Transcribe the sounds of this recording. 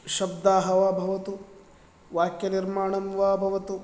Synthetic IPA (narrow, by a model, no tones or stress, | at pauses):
ʃɐb̚d̪aːɦɐʋaːbʱɐʋɐt̪u | ʋaːkjɐniɾmaːɳɐmʋaːbʱɐʋɐt̪u